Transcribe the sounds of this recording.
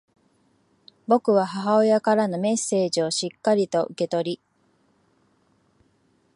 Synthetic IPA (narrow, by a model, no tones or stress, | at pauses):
bo̞kɯ̟βaɦaɦao̞jakaɾano̞me̞sːe̞ːʑio̞ɕikːaɾʲit̪o̞ʔɯ̟ke̞t̪o̞ɾʲi